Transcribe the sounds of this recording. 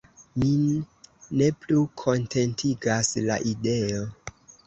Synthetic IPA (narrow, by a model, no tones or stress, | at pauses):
minː | e̞plukʰo̞ntʰe̞ntʰiɡasla̰ʔide̞o